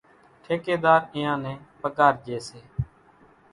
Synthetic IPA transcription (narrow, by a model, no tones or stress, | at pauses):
ʈʰeːkeːd̪aːɾɪjãːnɛ̃ːpəkaːɾd͡ʒeːseː